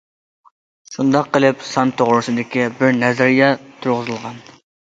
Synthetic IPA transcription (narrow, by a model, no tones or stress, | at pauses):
ʃund̪ɑqʰːəlˠɨpsɑnt̪ʰoʁɾɨsɨd̪ɪkʲibɪɾnɛzɑɾijɑt̪ʰʊɾʁəzɨlˠʁɑn